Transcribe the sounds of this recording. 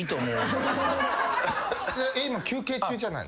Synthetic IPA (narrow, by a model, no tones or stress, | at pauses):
it̪omo | aʔeimakʲʰɨːke̞ːt͡ɕɨːd͡ʑana̰ḭ